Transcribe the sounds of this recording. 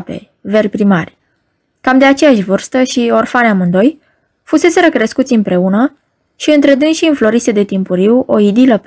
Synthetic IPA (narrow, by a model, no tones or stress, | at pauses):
pe̞̰ | ve̞rpɾimarʲ | kamd̪e̞at͡ʃe̞jaʃʲvɨrst̪əʃio̞rfaneamɨnd̪o̞j | fuse̞se̞ɾəkɾeskut̪sʲɨmpɾe̞unə | ʃiɨnt̪ɾe̞d̪ɨnʃiɨnflo̞ɾised̪e̞t̪impuɾiwo̞id̪iləp